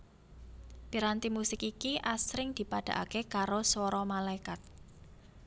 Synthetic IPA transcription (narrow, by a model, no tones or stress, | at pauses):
piɾant̪imusɪkikiʔasɾɪŋd̪̥i̤paɖ̥ä̤ʔa̰kekaɾoswɔɾɔmalaikat̪̚